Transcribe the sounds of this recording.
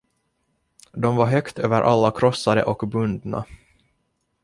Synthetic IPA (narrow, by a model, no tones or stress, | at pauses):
d̪ɔmvaɦœkt̪ʰøːvəɾʔalːakʰɾɔsːad̪ə̰ʔɔkbɵnd̪na̰